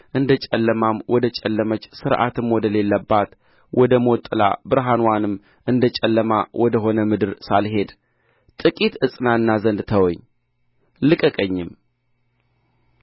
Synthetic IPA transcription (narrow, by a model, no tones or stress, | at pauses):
ʔɨnd̪ət͡ʃʼɛlːəmamwɔd̪ət͡ʃʼɛlːəmət͡ʃːsɨɾʔa̰t̪ɨmwɔd̪əle̞lːəbːat̪ | wʔɔd̪əmot̪ʼːɨla̰bɨɾɦanwanɨm | ʔɨnd̪ət͡ʃʼɛlːəmawʔɔd̪əɦo̞nəmɨd̪ɨɾsalɦe̞d̪ | t̪ʼɨkʼit̪ɨsʼɨnaɨnːazənd̪t̪ʰəwɔɲː | lɨkʼəkʼəɲːɪm